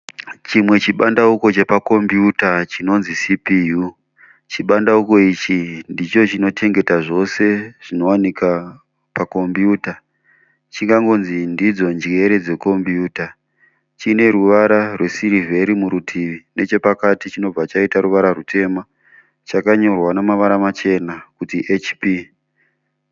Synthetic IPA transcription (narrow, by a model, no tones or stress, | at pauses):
t͡ʃimwe̞t͡ʃiɓandauko̞t͡ʃe̞pako̞mbjutat͡ʃino̞nzisipiju | t͡ʃiɓandauko̞it͡ʃindit͡ʃo̞t͡ʃino̞tʰe̞ŋɡe̞taʐo̞se̞ʐ̥ino̞wanika | pako̞mbjuːta | t͡ʃiŋɡaŋɡo̞nzindid͡zo̞nd͡ʒe̞ɾed͡ze̞ko̞mbjuːta | t͡ʃine̞ɾuʋaɾarwe̞siɾive̞ɾimuɾutʰiʋine̞t͡ʃe̞pakatit͡ʃino̞b͡vat͡ʃaitaɾuʋaɾarutʰe̞ma | t͡ʃakaɲo̞rwanamaʋaɾamat͡ʃe̞nakutiʔet͡ʃpi